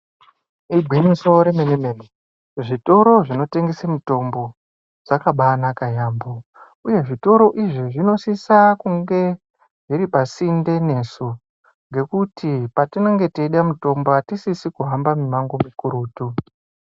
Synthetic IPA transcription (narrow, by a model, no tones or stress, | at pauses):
ibʱwiniso̞ɾe̞menemene | ʐito̞ɾo̞ʐino̞te̞ŋɡesemuto̞mbo̞ | d͡zakaɓanakajaːmbo | uje̞ʐito̞ɾo̞ʔiʐiʐino̞sisakuŋɡe̞ | ʐiɾipasinde̞ne̞ːsu | ŋɡe̞kutipatineŋɡe̞teɗamuto̞mboatisisikuɦambamimaŋɡomikuɾuːtu